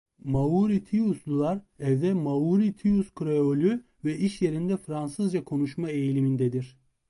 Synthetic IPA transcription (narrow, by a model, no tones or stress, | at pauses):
mauɾit̪ʰiuslˠulˠaɾ | ɛvd̪ɛmauɾit̪ʰiuskɾeolʲy | vɛiʃje̞ɾind̪ɛfɾansɯzd͡ʒakʰo̞nuʃmaejlʲimind̪ɛd̪iɾ̥